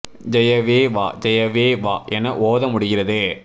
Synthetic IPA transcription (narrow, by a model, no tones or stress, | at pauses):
d͡ʒɛjɐʋeːʋaːd͡ʒɛjɐʋeːʋaːɛnːɐʔoːðɐmʊɽɪɣɪɾɐðɯ